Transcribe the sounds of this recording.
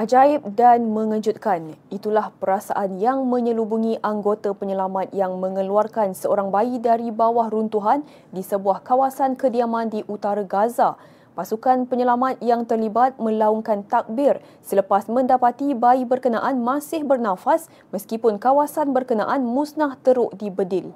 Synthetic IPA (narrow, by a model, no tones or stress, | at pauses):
ʔad͡ʒaɪp̚danmə̃ŋəd͡ʒut̪̚kanit̪ulahpəɾasa̰ʔanjaŋmə̃ɲə̃lubuŋĩʔaŋɡot̪apəɲəlamat̪̚jaŋmə̃ŋə̃luarkansəoɾaŋbaidaɾibawahrunt̪uɦan | disəbuahkawasankədiamãndiʔut̪aɾaɡaza | pasukanpəɲəlamat̪̚jaŋt̪ərlibat̪̚mə̃lauŋkant̪ak̚bɪr | sələpasmə̃ndapat̪ibaibərkənaʔanmãsɪhbərnãfas | məskipʊnkawasanbərkəna̰ʔanmusnaht̪əɾʊʔdibədɪl